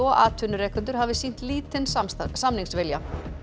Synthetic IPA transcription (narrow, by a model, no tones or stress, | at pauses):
ɔʔaːt̪ʰʏnʏɾɛːkʏnt̪ʏɾ̥ɦavɪsin̥t̪liːt̪ɪnssamniŋsvɪlja